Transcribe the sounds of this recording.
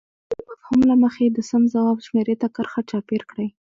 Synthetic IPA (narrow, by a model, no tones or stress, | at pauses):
afhumlaməxed̪əsamzawɑbʃmeɾet̪akəɾxat͡ʃɑpeɾkɽəj